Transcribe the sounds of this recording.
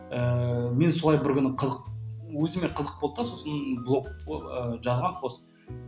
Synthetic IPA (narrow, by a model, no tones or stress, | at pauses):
əme̞nsʊlˠɑjbɪɾkʲʏnɪqʰəzəq̚wɵzɪmeqʰəzəq̚bo̞lˠd̪ɑso̞sənblˠo̞k̚əʒɑzʁɑnqʰos